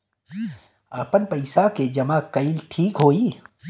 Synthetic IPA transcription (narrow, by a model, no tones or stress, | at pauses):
aːpənpɐɪsaked͡ʒɐmakɐɪlʈʰiːkɦoːiː